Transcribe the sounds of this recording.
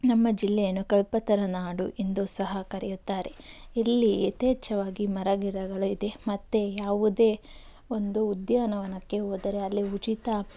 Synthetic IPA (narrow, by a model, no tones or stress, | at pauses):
nɐmːɐd͡ʒilːɛjɐnːukɐlpɐt̪ɐɾɐnaːɽuʔind̪usɐɦɐkɐɾɛjut̪ːaːɾe̞ilːiet̪eːt͡ʃɐʋaːɡimɐɾɐɡiɾɐɡɐɭuid̪e̞mɐt̪ːe̞jaːʋud̪e̞ː | o̞nd̪uːd̪jaːnɐʋɐnɐkːe̞oːd̪ɐɾe̞ɐlːiut͡ʃit̪ɐ